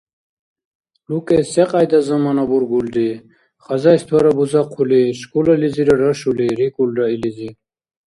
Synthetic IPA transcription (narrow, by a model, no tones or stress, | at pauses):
lukʼeseqʼajd̪azɐmanabuɾɡuldi | χɐzajst̪ʰwaɾɐbuzaqʰuliɕkulɐliziɾɐɖɐʃuliɾikulɖailizi